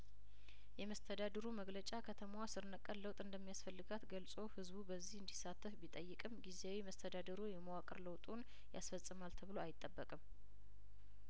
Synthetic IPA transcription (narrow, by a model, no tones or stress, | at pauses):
jɛməst̪ʰəd̪ad̪əɾuməɡlət͡ʃʼakʰət̪ʰəmwasɨɾnəkʼːənləwt̪ʼɨnd̪əmːijasfəlːɨɡat̪ɡəlsʼohɨzbubəzːihɨnd̪isat̪ʰːəfbit̪ʼəjːɨkʼɨmɡizeawiməst̪ʰəd̪ad̪əɾujɛməwakʼə̰ɾləwt̪ʼun | ja̰sfəsʼɨmalt̪ʰəβɨloajɪt̪ʼːəbːəkʼɨm